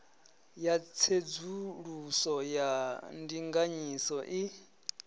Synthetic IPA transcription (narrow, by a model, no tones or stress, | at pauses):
jat͡sʰed͡zuɺusɔjandiŋɡaɲisɔʔi